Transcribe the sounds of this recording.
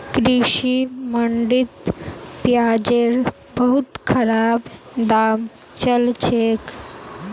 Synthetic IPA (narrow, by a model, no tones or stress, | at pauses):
kɾiɕiməɳɖit̪pjad͡ʑeɾ | bəɦut̪kʰəɾab | d̪aːmt͡ɕəlt͡ɕʰek